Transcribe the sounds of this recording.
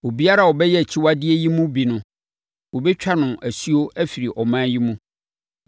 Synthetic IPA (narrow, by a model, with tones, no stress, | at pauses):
wo˨bi˦a˦ɾa˨wɔ˨bɛ˦jɛ˦˨t͡ɕʰi˦wa˦dɪ˦e˦ji˦mũ˦bi˨nʊ̃˦ | wo˨bɛ˦t͡ɕᶣa˦nʊ̃˨ʔæ˨su˦o˦æ˦fi˨ɾi˨ʔɔ˨mã˦ji˦mũ˦